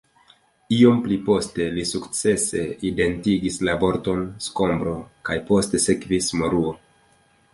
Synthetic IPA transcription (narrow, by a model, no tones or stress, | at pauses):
io̞mplipo̞ste̞lisukt͡se̞se̞ide̞ntiɡislavo̞ɾto̞nsko̞mbɾo̞kajpo̞ste̞se̞kvismo̞ɾuo